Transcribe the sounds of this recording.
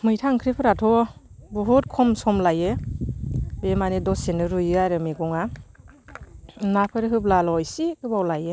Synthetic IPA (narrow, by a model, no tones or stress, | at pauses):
mɯjtʰaŋkʰɾipʰɯɾatʰɔbɔɦut̚kʰɔmsɔmlaje | bemanedɔsenɯɾujajɾɯmeɡɔŋa | napʰɯɾɦɯblalɔjsikʰɯbawlaje